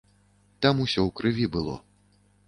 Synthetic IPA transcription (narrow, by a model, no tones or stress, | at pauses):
t̪amusʲɔwkɾɨvʲibɨlˠɔ̰